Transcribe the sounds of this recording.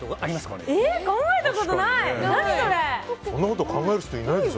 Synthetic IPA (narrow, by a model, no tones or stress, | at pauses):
t̪oɡaɾʲimaska̰eekãŋɡaet̪akot̪onainaɲ̟isoɾeõnːakot̪okʰãŋɡaeɾɯço̥t̪oinaid̪s